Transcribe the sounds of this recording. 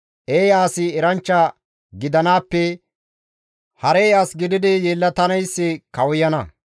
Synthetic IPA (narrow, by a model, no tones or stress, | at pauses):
ʔeːjaːsɪɛɾɐnt͡ʃːɐ | ɡɪd̪ɐnaːpːɛ | hɐɾejaːsɡɪd̪ɪd̪ɪjeːlːɐt̪ɐnɐjsːɪkɐwʊjɐnɐ